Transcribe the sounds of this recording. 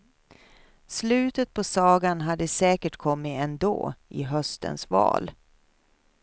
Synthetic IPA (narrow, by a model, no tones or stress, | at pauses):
slʉ̟ːt̪ət̪̚pʰɔsɑːɡanɦad̪ːəsɛːkəʈkʰɔmːɪɛnd̪o̰ːʔɪ̰ɦœst̪ə̰nsvɑ̰ːl